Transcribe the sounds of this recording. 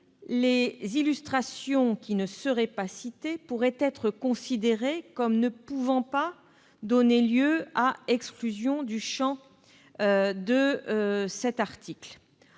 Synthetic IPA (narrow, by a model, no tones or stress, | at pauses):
lezilyst̪χasjɔ̃kʲinəsəʁɛpasit̪epuʁɛt̪ɛt̪χəkɔ̃sid̪eʁekɔmnəpuvɑ̃pa | d̪ɔneljøaɛksklyzjɔ̃d̪yʃɑ̃ | d̪ə | sɛt̪aʁt̪ikl